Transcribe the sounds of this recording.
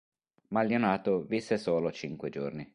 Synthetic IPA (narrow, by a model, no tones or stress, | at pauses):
maljonaːt̪ovisːesoːlot͡ʃiŋkwed͡ʒo̰rni